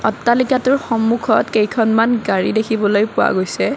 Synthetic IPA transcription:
ɔtːalikatʊɹxɔmːukʰɔtkejkʰɔnmanɡaɹidekʰibɔlojpʊwa̰ɡojsɛ

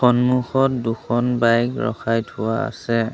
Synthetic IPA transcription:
xɔnmuxɔtduxʰɔnbajkɹɔ̰xʰajtʰʊwaa̰sɛ

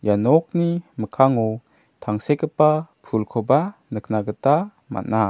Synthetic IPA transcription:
janɔk̚niməkʰaŋɔw | t̪ʰaŋsekəpapʰulkʰɔbanəknaɡəta | ma̰na

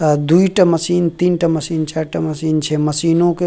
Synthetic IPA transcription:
d̪uiʈamɐsiːnt̪iːnʈaməsiːnt͡ʃaːɾʈamɐsiːnt͡ʃʰɛməsiːnõke

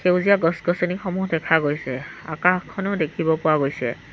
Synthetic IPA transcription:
xewzijaɡɔsɡɔsɔnikxɔmuɦdɛkʰaɡojsɛa̰kaxkʰːɔnɔʊdekʰibɔpʊwaɡojsɛ̰

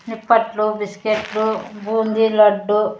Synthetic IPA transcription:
nipːɐʈlubiskeʈlubʱuːnd̪ilɐɖːu

